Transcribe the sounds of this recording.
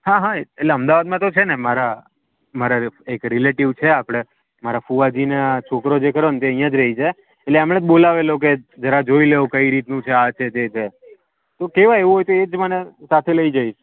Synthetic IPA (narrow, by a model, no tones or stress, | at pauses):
hãɦaeeʈleəmd̪aʋad̪mãt̪ot͡ʃʰenemaɾa | maɾaekɾileʈiʋt͡ʃʰeapɽ̃e | maɾafuʋad͡ʒineat͡ʃʰokɾod͡ʒekəɾont̪eə̃ɦijãd͡ʒɾəɦid͡ʒae | eʈleəmɽ̃ẽt̪bolaʋelok̬ed͡ʒəɾad͡ʒoileokəiɾit̪nũt͡ʃʰeat͡ʃʰet̪et͡ʃʰe | t̪okeʋaeʋũɦojt̪oed͡ʒmənesat̪ʰeləid͡ʒaiʃ